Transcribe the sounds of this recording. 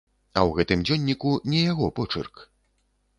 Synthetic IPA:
ɐwɣɛt̪ɨmd͡zʲɔnʲːikunʲɛjaɣɔpɔt͡ʂɨ̰rk

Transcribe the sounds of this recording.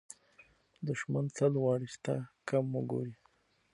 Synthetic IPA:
d̪ʊʃmant͡salwɑɽist̪a̰kaməɡo̰ɾi

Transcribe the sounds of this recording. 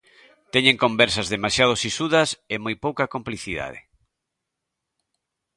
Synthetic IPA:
t̪ɛɲẽŋkõmbɛɾsɐzðemasjað̞osisuðɐsemojpowkɐkompliθiða̰ð̞ḛ

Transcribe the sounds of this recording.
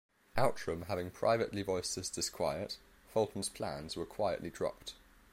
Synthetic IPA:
ʔaʊtɹ̥ə̃mɦavɪ̃ŋpʰɹ̥a̰ɪvəʔlivɔɪstəzd̥ɪskʰw̥aɪət | fɔlˠʔn̩z̥pʰl̥ã̰nz̥wəkʰw̥aɪə̰ʔlidɹɒ̰p̚t

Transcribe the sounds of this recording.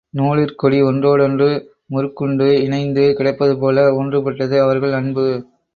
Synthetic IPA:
noːɭɪɾkɔɽiɔndroːɽɔndrɯ | mʊɾɯkːɯɳɖɯɪɳɐɪnd̪ɯkɪɽɐɪpːɐðɯpoːlɐɔndrɯpɐʈːɐðɯɐʋɐɾɣɐɭɐɳbɯ

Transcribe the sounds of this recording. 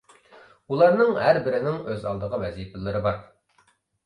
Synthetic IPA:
ulˠɑɾnɨŋhæɾbɪɾɪnɪŋøzɑ̰lˠd̪əʁəwɛzipɪlˠɨɾɨbɑɾ

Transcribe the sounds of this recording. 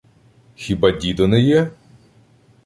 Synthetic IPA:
xʲibadʲid̪ɔnɛjɛ

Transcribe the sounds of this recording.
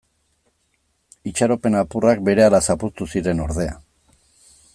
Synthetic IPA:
it͡ʃaɾo̞pe̞napurak̚be̞ɾe̞alasapust̪usiɾe̞no̞ɾðe̞a̰

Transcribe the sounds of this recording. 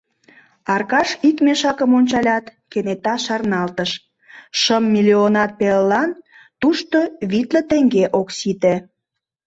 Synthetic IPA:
ɑrkɑʃikmeʃɑkəmonʲt͡ɕɑlʲɑt̪kenet̪ɑʃɑrnɑlt̪əʃ | ʃəmːilʲionɑt̪̚pellːɑn | t̪uʃt̪oβit̪lə̆t̪eŋɡeʔoksit̪ĕ

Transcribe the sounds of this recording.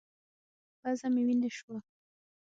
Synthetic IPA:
bazamiwind̪eʃa

